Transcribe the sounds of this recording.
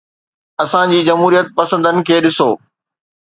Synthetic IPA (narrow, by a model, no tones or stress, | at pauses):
ɐsãd͡ʑiːd͡ʑɐmɦuːɾijət̪̚pɐsə̃nd̪ənɪ̆kʰeːɗɪsoː